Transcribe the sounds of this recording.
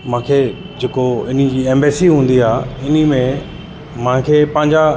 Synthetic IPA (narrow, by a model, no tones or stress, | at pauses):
mãːkʰeː | d͡ʑeːkoɪn̤id͡ʑiːẽːmbeːsiɦũːn̆d̪iaːɪnimẽ | mãːkʰeːpɐ̃ɦɪ̃ɲd͡ʑa